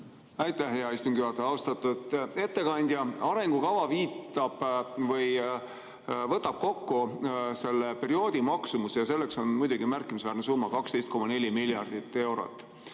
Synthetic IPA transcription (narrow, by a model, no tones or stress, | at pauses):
æjt̪æhɦeɑist̪uŋɡ̥jyɑt̪ːeɑwst̪ɑt̪ːud̪e̞t̪ːe̞kɑnʲd̪̥ʲjɑɑɾe̞ŋɡ̥ukɑvɑviːt̪ːˑɑb̥vɤj | vɤt̪ːˑɑb̥̚ko̞kːuse̞lːepe̞ɾio̞ːd̪̥ʲimɑksumusjɑse̞lːe̞kso̞nmujd̪uɡ̥imærkːˑimisvæːrne̞suːmːɑkɑkst̪e̞jst̪ko̞mɑne̞lʲimiljɑrd̪̥it̪ːˑe̞wɾo̞̰t̪ːˑ